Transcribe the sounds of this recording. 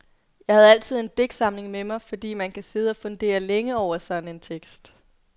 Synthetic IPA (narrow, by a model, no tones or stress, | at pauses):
jɑ̈ɪhæð̞̩ˠæl̰t͡sʰið̰ˠe̝nd̥eɡ̥sɑ̈mle̝ŋmemɑ̈ɪfɒ̽d̥ḭːmænkʰæse̝ð̞ˠəɒ̽fɔ̽nd̥e̝̰ːɐleŋəɒʊ̰ɐsɒ̽d̥n̩e̝nt͡sʰeɡ̥sd̥